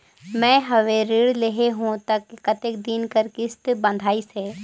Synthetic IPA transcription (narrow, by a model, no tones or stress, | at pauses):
mɛ̃ːɦɐʋeɾɪɽleɦeɦũt̪ɐkːkɐt̪ekd̪inkəɾkɪst̪bɐ̃nd̪ʱaːiseː